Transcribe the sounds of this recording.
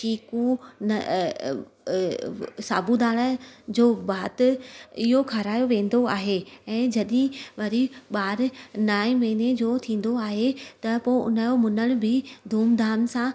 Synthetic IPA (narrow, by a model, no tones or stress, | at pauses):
ʃiːkũnɐ | saːbud̪aːɽ̃ə̆d͡ʑoːbaːt̪ɪɦokʰaɾaːjoʋẽːn̆d̪oaːɦeɛ̃ːd͡ʑɐɗɪ̃ʋɐɾiɓaːɾnaːĩmɐːned͡ʑoːt̪ʰĩːn̆d̪oaːɦet̪ɐpoːɪʔʊ̰nəjomʊnəɽ̃ʊ̆bʱɪd̪ʱuːmd̪ʱaːmsã